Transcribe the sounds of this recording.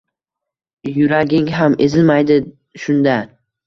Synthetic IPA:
jʊɾaɡʲɪŋɦame̞zɪlmajd̪ɪ | ʃʊnd̪a

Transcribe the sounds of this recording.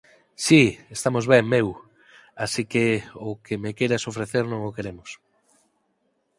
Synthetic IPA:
siest̪amozβeŋmew | asikeʊkemekejɾasofɾeθeɾnõŋokeɾemʊs

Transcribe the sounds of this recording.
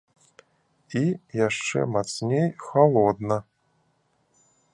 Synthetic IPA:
ijaʂt͡ʂɛ̰mat̪snʲejxalˠɔd̪nɐ

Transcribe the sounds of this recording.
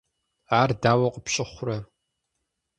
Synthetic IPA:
aːrdaːwɐqʼəpɕʼɪχʷʊrɐ

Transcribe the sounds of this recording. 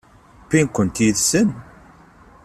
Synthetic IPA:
pːinkʷːənt̪iðsən

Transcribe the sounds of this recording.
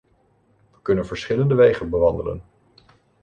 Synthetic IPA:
ʋəkɵnənvəɹsχɪləndəʋejχənbəʋɑndələ̰n

